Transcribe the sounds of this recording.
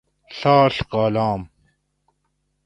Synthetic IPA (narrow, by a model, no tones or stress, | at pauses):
ɬaːɬqaːlaːm